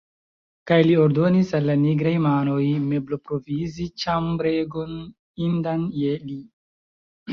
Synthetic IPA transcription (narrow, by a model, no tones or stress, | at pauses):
kajlio̞ɾdo̞nisalːaniɡɾajmano̞jme̞blo̞pɾo̞vizit͡ʃambɾeɡo̞n | indanjeli